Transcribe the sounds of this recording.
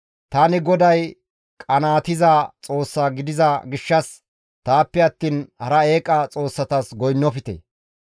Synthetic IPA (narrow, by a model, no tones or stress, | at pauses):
t̪aːnɪɡɔd̪ɐj | kʼɐnaːt̪ɪzɐt͡sʼo̞ːsːɐɡɪd̪ɪzɐɡɪʃːɐs | t̪aːpːɛɐt̪ːiːnhɐɾɐeːkʼɐt͡sʼo̞ːsːɐt̪ɐsɡɔjnːɔfɪt̪ḛ